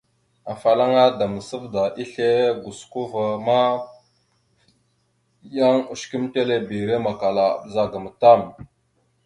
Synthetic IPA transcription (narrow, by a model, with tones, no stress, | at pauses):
a˨fa˨la˦ŋa˦da˨mə˨sə˦vda˨ʔi˦ɬe˦ɡu˨sku˦va˨ma˦ | ja˦ŋu˨ʃki˦mte˦le˦bi˨ɾe˦ma˨ka˨la˨bza˨ɡə˨m˨ta˦˨m